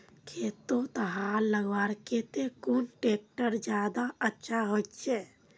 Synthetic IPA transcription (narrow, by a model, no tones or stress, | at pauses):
kʰet̪ot̪əɦalːəɡʋaɾket̪ekunʈek̚ʈəɾd͡ʒjaːd̪aətːʃʰaɦot̪t͡ʃʰe